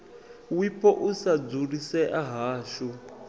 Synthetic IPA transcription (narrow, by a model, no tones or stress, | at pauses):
wipʰɔʔusad͡zurisɛʔaɦaːʃɔ